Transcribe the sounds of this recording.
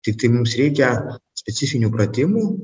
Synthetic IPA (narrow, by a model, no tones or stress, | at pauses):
t̪ʲɪk̚t̪ɐɪmʊmsɾʲɛɪkʲɛsʲpʲɛtsʲɪfʲɪnʲuːpɾɐt̪ʲɪmuː